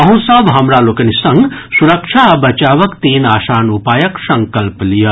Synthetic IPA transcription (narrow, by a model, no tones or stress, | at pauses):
ɐɦũsɐbɦɐmɾaːloːkɐnisɐŋɡsuɾɐkʃʰabɐt͡ʃaːʋɐkt̪iːnaːʃaːnupaːjɐksɐ̃ŋkɐlplijɐ